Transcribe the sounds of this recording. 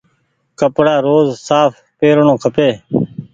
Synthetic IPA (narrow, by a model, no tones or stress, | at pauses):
kəpɽaːɾoːzsaːf | peːɾɳõːkʰəpeː